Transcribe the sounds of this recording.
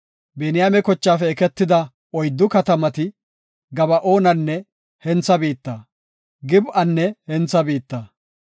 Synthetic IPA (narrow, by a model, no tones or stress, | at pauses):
beːnɪjaːmɛkɔt͡ʃːaːfɛɛkɛt̪ːɪd̪ɐ | ɔjd̪ːʊkɐt̪ɐmɐt̪ɪ | ɡɐbɐʔo̞ːnɐnːɛ | hɛnt͡sːɐbiːt̪ːɐː | ɡɪbʔɐnːɛhɛnt͡sːɐbiːt̪ːɐ